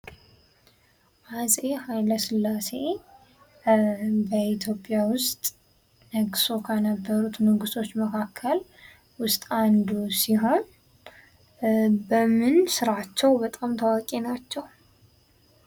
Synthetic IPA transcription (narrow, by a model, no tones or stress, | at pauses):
ʔaze̞hajləsɨlːase̞ | bəit̪ʰjo̞pʼːjawʊst̪ʼ | nəɡsokʰənəbːəɾut̪nəɡɨst̪ʰo̞t͡ʃːməkʰakʰːəl | wʊst̪ʼand̪usiɦo̞n | bəmɨnsɨɾat͡ʃːɛwbət̪ʼamt̪ʰəwakʼenat͡ʃːɛw